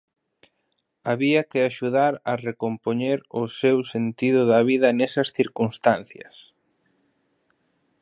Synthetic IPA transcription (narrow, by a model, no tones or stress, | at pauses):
aβiɐkɪaʃuðaɾɐrekompoɲeɾʊsewsent̪iðʊðɐβ̞iðɐnesɐsθiɾkunst̪an̟θjɐ̰s